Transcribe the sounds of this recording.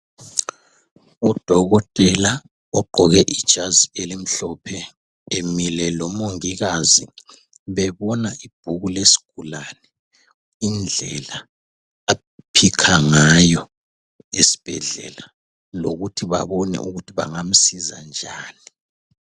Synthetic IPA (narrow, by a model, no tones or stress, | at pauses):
ud̥ʱɔɣɔtʼɛla | ɔɡ͡ǃʱɔɣɛʔid̥ʒ̥ʱazielim̩ɬɔpʰɛ | emilɛlɔmoŋiɣazi | βɛβɔnaʔib̥ʱuɣulesi̥ɡ̥ʱulanɛ | ind͡ɮʱɛlaː | pʰikʰaŋajɔ | esi̥b̥ʱɛ̰ɮɛ̰la | lo̰ɣutʰiβa̰βɔnɛ̰ʔuɣutʰiβa̰ŋam̩siza̰nd͡ʒʱaːni